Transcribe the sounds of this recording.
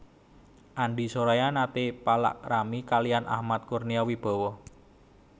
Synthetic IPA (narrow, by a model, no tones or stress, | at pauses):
ʔaɳɖisoɾajanat̪epala̰ʔramikalijanʔa̰hmat̪̚kurniawib̥ɔ̤wɔ